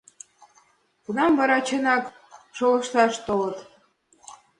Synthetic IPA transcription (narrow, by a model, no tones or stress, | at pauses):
kunɑmvɑɾɑt͡ɕənɑk | ʃolə̆ʃt̪ɑʃt̪olə̆t̪